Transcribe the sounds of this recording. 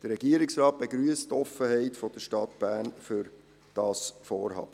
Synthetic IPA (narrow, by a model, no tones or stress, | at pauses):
d̥əɾɛɡiəɾɪksɾɑːt̚b̥eɡɾyəsttɔfəhɛɪtfɔd̥̪əʃtɑt̪b̥æːnfʏɾ | d̥ɑːsfɔ̰ːɾhɑ̰ːb̥ə